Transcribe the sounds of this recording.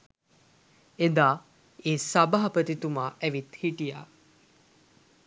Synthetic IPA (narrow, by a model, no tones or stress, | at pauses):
ed̪aː | eːsabaɦɐpət̪it̪umaːʔæʋit̪hiʈija̰ː